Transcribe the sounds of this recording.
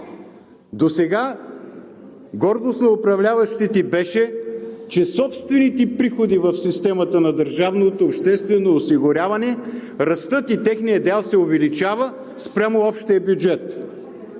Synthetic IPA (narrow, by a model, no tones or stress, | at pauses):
d̪osɛɡa | ɡɔɾd̪osnoʊpɾɐvlʲavɐʃt̪it̪ibɛʃɛt͡ʃɛsɔpst̪vɛnit̪ɛpɾixod̪ivəfsist̪ɛmət̪ənɐd̪əɾʒavnot̪oːpʃt̪ɛst̪vɛnoːsiɡʊɾʲavɐnɛɾɐst̪ɤt̪it̪ɛxnijəd̪ɛlˠsɛʊvɛlit͡ʃavə | spɾʲamoɔpʃt̪iəbjud͡ʒɛt̪